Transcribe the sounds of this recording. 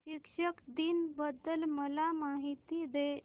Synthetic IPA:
ʃikʂəkd̪inbəd̪əlməlamaɦit̪id̪e

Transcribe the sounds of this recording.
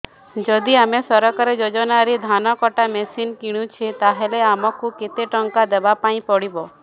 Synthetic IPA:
d͡ʒɔd̪iamesɔɾɔkaɾed͡ʒod͡ʒɔnaɾid̪ʱanɔkɔʈamɛsinkiɽ̃ũt͡ʃʰit̪aɦeleamɔkuket̪eʈɔŋkad̪ebapaĩpɔɽibɔ

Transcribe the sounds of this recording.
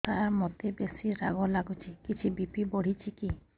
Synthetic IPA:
t̪aɾmɔt̪ebesiɾaɡɔlaɡut͡ʃʰikit͡ʃʰibipibɔɽ̤it͡ʃʰiki

